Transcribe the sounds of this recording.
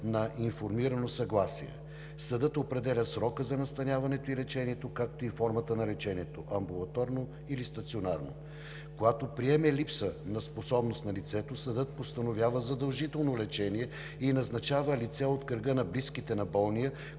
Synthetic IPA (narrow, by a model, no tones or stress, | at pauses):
nɐʔinfoɾmiɾənosɐɡlˠasiɛ̰ | sɐd̪ɤt̪opɾɛd̪ɛlʲəsɾɔkəzɐnɐst̪ɐnʲavɐnɛt̪oilɛt͡ʃɛniɛt̪okak̚t̪oifɔɾmət̪ənɐlɛt͡ʃɛniɛt̪oʔɐmbulˠɐt̪ɔɾno | ilist̪ɐt̪sionaɾno̰ | kojat̪opɾiɛmɛlipsənɐsposɔbnost̪nɐlit̪sɛt̪osɐd̪ɤt̪̚post̪ɐnovʲjavəzɐd̪ɐlˠʒit̪ɛlˠnolɛt͡ʃɛniɛ | inɐznɐt͡ʃavəlit̪sɛot̪kəɾɡənɐbliskit̪ɛnɐbɔlˠnijə